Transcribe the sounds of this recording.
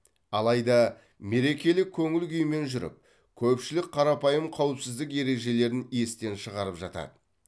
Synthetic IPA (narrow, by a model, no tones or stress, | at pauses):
ɑlˠɑjd̪ɑ | me̞ɾe̞kʲe̞lɪkʲʰːɵŋɪlkʲʰʏjme̞nʒʏɾɪ̰p̚ | kʲʰɵpʃɪlɪk̚ʲqʰɑɾɑpɑjəmqʰɑwəpsɪzd̪ɪk̬e̞ɾe̞ʒe̞le̞ɾɪne̞st̪e̞nʃəʁɑɾəpʒɑt̪ɑ̰d̪ə